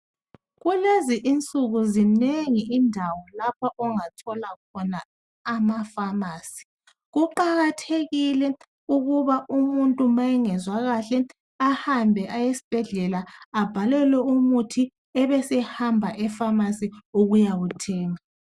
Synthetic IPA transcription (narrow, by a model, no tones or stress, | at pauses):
ɣuleziʔint͡sʼuɣuzineŋiʔindʱawɔlapʰaʔɔŋatʰɔlakʰɔnaː | mafamaːsi̥ | ɣuǃaɣatʰeɣilɛ | uɣuβaʔumuntʼumajɛŋɛzwaɣaɬɛ | ahambʱɛʔajesi̥b̥ʱɛɮɛlaab̥ʱalɛlwɛumutʰi | ɛβɛsɛhambʱaʔɛfamasiuɣujaɣutʰɛːŋa